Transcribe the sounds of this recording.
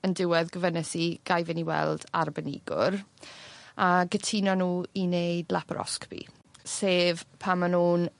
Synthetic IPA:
əndɪwɛðɡəvənɛsiɡ̥ajvɪniwɛ̰lˠd̥arbənɪ̰ɡʊ̰r | aɡətʰinɔnuːinejdlˠapʰɾʔɔ̰skb̥ʰḭ | seːvpʰamːanuːn

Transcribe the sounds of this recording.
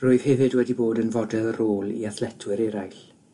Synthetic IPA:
rʊːɨð̥hɛvɨdwɛdiboːdənvɔdɛlˠəɾoːlˠiaθlɛtʰwɨɾɛɾajɬ

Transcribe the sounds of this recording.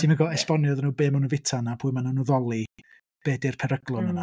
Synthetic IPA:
tʰiməɡɔɛspɔnjɔðnuːbeːmanuvɪtʰanapʰuːɨmanunuðɔlˠi | b̥eːdɪrpʰɛɾəɡlˠʊnəna

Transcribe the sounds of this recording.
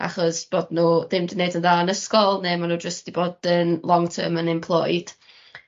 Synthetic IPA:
a̰χɔsb̥oːdnuːdɪmdinejdənðaːənəskɔlˠnemanuːd͡ʒəstd̥iboːd̥ənlˠɔŋtʰə̰ːmənɪmpʰlˠɔ̰jd̥

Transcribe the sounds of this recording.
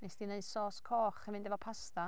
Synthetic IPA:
mɛsd̥ineɨ̥sɔːskʰɔːχɛmɪɨndɛvɔpʰasta

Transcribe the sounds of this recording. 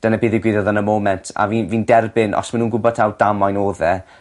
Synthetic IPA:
d̥ənabiːðiɡwɪðɔðanəmoːmɛntʰa̰viːnviːndɛrbɪnʔɔ̰smanuːnɡʊbɔtʰawd̥amajnoːðɛ

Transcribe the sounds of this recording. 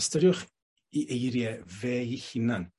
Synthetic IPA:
stɔɾjʊχ | iʔejɾjɛvɛːihɪnan

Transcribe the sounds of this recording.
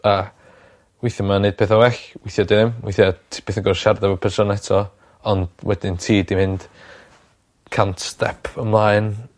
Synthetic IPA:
a | wɪjθjəmaneɨd̚pʰeːθawɛɬwɪjθjɔdeðɪmwijθjɔpʰeːθəŋɡɔrʃardavɔpʰədʰrɔnɛtʰɔ | ɔnd̥wɛd̥ɪntʰiːdimɪnd̥ | kʰantstɛ̰pʰəmlˠaɨn

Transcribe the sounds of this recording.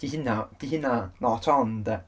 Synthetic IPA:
d̥iɦɪnad̥iɦɪnanɔtʰɔndə

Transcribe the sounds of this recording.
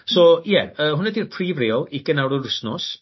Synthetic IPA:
sɔjɛəːhʊnɛdirpʰriːvreːɔlˠikənawɾɔdʊsnɔs

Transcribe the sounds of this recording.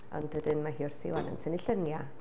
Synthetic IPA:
ɔ̰ndwədɪnmaɦiːʊr̥θɪ̰wa̰nɔ̰ntʰəniɬənja

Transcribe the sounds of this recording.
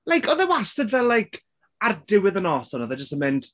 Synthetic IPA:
lajkʰɔðɛwastədvɛlːajkʰ | ardɪwɪðənɔːsɔnɔðɛd͡ʒəstəmɪnd̥

